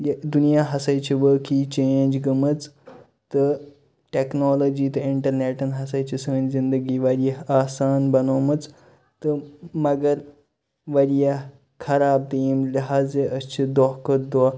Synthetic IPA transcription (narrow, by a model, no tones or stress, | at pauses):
jd̪unijaɦɐsajt͡ɕiʋəkit͡ɕeːɲd͡ʑɡəmət͡s | t̪ə | ʈeknɔlod͡ʑiːt̪ɐiɳʈəɾneːʈɐnɦɐsajt͡ɕisəːnzind̪əɡiːʋɐɾjɐaːsaːnbɐnoːmət͡s | t̪əmɐɡəɾ | ʋɐɾja | kʰɐɾaːb̚t̪imlɐɦaːd͡zeəst͡ɕid̪oɦkəd̪oɔ